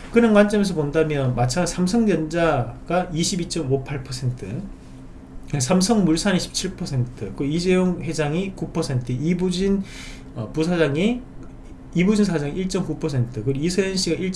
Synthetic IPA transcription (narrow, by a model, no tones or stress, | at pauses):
kɯnʌnkwant͡ɕ͈ʌmjʌns̬ʰʌpondamjʌnmat͡ɕʰaŋasʰamsʰʌŋdjʌnd͡ʑaɡ̥aiɕʰibit͡ɕ͈ʌmopʰaɭpʰʌsʰe̞ntʰɯ̰ | sʰamsʰʌŋmuɭsʰaniɕʰi̥p̚t͡ɕʰiɭpʰʌsʰe̞ntʰɯk͈ɯisejoŋhwe̞d͡ʑaŋikupʰʌsʰe̞ntʰɯibud͡ʑin | ʌpus̬ʰad͡ʑaŋi | ibud͡ʑinsʰad͡ʑaŋiiɭt͡ɕ͈ʌmkupʰʌsʰe̞ntʰɯkɯisʰejʌnɕʰiɡaʔiɭt͡ɕ